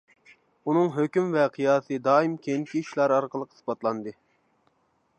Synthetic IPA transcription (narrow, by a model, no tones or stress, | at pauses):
unɨŋɦøkʲymvɛqʰijɑːsɨd̪ɑːimkʲʰeŋkʲiiʃlˠɑɾɑɾqəlˠəqʰə̥sbɑt̪lˠɑnd̪ɨ